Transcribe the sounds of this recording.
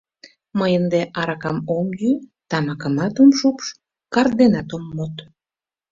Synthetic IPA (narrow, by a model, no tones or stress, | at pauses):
məjənd̪eʔɑɾɑkɑmomjyt̪ɑmɑkə̆mɑt̪omʃupʃ | kɑrd̪enɑt̪omːot̪